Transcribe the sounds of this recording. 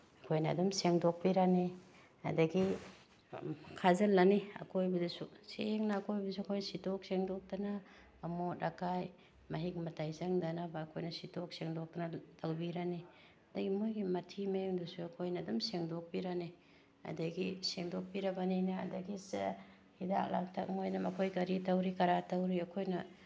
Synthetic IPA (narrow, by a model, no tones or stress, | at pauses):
ɐkʰojnaːdumseŋdok̚piɾani | ɐ̰dɐɡi | kʰazɐlːaniɐ̰kʰojbɐdɐsuseŋnakʰojbɐsuɐkʰojnsitok̚seŋdɔk̚tanaː | mot̚ɾakaj | maɦik̚mɐtajzaŋdanabaːkʰojnasitok̚seŋdok̚tanatʰawbiɾani | adaɡimojɡimɐtʰimeŋdusuɐkʰojnɐdumseŋdok̚biɾani | a̰daɡiseŋdok̚biɾɐbaninaa̰dɐɡisḛ | hida̰k̚la̰ŋtʰa̰k̚ŋojnɐmɐkʰojkaɾitawɾikaɾatawɾiakʰojnɐ